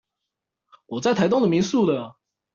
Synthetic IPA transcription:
wɔ˨˩t͡sa˥˩ɪt̪ʰa˧˥ɪt̪ʊ˥ŋd̪ə˨mi˧˥ŋsu˥˩d̪ə˩

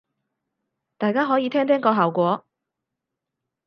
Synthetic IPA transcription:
t̪aː˨jkaː˥ɦɔː˨˥jiː˨˧t̪ʰɛː˥ŋt̪ʰɛː˥ŋkɔː˧ɦaː˨wkʷɔː˨˥

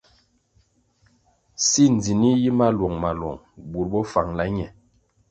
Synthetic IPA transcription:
si˦n˨d͡zi˨ni˦ji˦ma˦lwɔ˨ŋma˨lwɔ̰˨ŋ | bu˨ɾbɔ˦fa˨ŋla˦ɲɛ˨

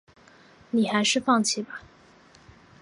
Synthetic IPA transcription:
ni˨˩xa˧˥ɪʂɻ̩˥˧fɑ˥˧ŋt͡ɕʰi˥˩bɐ˨

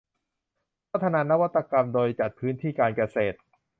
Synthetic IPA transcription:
ɾa˦˥t̪ʰːa˧naː˧na˦˥wa˦˥t̪ːa˧ka˧mdoː˧jt͡ɕa˨˩t̪̚pʰɯː˦˥nt̪ʰiː˥˩kaː˧nka˧seː˨˩t̪̚

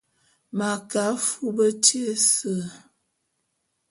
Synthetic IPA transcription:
ma˨ka˨˦fu˦bə˦te˦sə˦˨

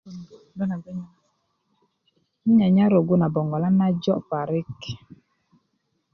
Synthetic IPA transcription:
na˨ɡɲ˦ | n˦ɲa˨ɲa˦ɾo˨ɡu˦na˨bɔ˨ŋɡɔ˨la˦na˦d͡ʒɔ˦pa˨ɾi˦k

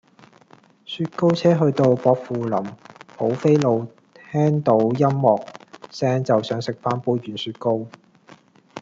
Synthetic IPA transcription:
syː˧t̚ko˥wt͡sʰɛː˥ɦɵ˧ɥt̪o˧wpɔː˧k̚fuː˨lɐ˨˩mho˨˥wfe˥jlo˨˧w | t̪ʰɛː˥ŋt̪o˨˥wjɐ˥mːɔː˨k̚sɛː˥ŋt͡sɐ˨wsœː˨˥ŋsɪ˨k̚faː˥npuː˧˥ɥyː˨˥nsyː˧t̚ko˥w

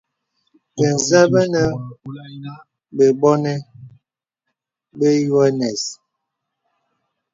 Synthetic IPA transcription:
be˨n˨za˦bə˦nə˦ | be˨bɔ˦nɛ˦ | be˦ju˦ɛ˦nɛ˨s

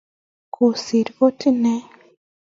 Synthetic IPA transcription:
kʰo˨si˨ɾko˦ti˦nɛ˦

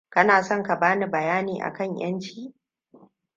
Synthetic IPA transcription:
kɐ˦naː˨sɔ˦ŋka˨baː˦ni˨bɐ˨jaː˦niː˨ʔa̰˨kɐ˦˨ɲj̰ɐ˦nt͡ʃiː˦

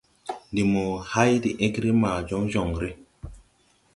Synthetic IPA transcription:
ndi˨mo˨ha˦jdi˨ʔe˦kɾi˦maː˨d͡ʒo˦ŋd͡ʒo˨ŋɾi˦

